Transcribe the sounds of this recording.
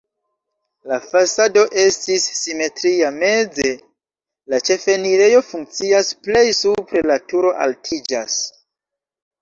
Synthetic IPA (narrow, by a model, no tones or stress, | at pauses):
lafasado̞ʔe̞stisːime̞tɾiame̞d͡ze̞ | lat͡ʃe̞fe̞niɾe̞jo̞fuŋkt͡siasple̞jsupɾe̞latuɾo̞ʔa̰ltʰid͡ʒa̰s